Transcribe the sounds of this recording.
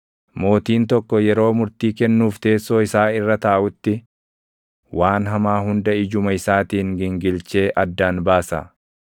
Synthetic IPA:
mo̞ːt̪iːnt̪ɔkːɔjɛɾo̞ːmʊɾt̪iːkɛnːuːft̪e̞ːsːo̞ːɪsaːɪrːɐt̪ɐʔːʔʊt̪ːɪ | wʔaːnɦɐmaːɦʊnd̪ɐʔɪd͡ʒʊmɐɪsaːt̪iːŋɡɪŋɡɪlt͡ʃe̞ːʔɐd̪ːaːnbaːsa̰

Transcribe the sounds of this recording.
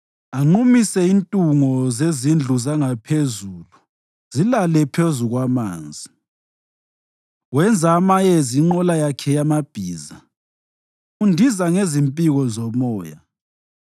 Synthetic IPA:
aŋ͡ǃumisɛintʼuŋɔzezind͡ɮʱuzaŋapʰezuːlu | z̥ilalɛpʰezuɣwama̰ːnd͡zʱi | wɛnd͡zʱamajeziŋ͡ǃɔlajakʰɛjamab̥ʱiːza | undʱizaŋezimpʼiɣɔzɔmɔːja̰

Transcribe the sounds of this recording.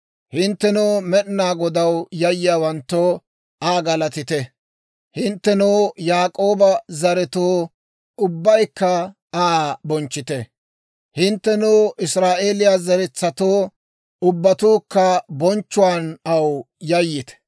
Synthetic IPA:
hɪnt̪ːɛnoːmɛʔnːaːɡɔd̪ɐwjɐjːɪjaːwɐnt̪ːoː | aːɡɐlɐt̪ɪt̪ɛ | hɪnt̪ːɛnuːjaːkʼoːbɐzɐɾɛt̪oː | ʊbːɐjkːɐ | aːbɔnt͡ʃːɪt̪ɛ | hɪnt̪ːɛnuːʔɪsɾaːʔe̞ːlɪjaːzɐɾɛt͡sːɐt̪oː | ʊbːɐt̪uːkːɐbɔnt͡ʃːʊwaːnɐw | jɐjːɪt̪ɛ̥

